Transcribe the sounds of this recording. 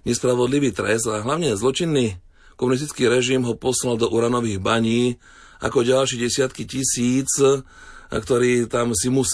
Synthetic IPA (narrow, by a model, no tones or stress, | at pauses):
ɲɛspɾaʋɔd̪liʋiːt̪ɾɛsaɦlaʊɲɛzlɔt͡ʃinːi | kɔmunis̬t̪i̥t͡skiːɾɛʒimɦɔpɔslald̪ɔʔuɾanɔʋiːɣbaɲiː | a̰kɔɟalʃɛɟɛsɪat̪kicisiːt͡s | kt̪ɔɾiːt̪amsimus